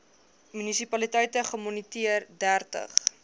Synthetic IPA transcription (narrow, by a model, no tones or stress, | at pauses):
mynisipɐlitɛjtəχəmɔnitiərdærtə̰χ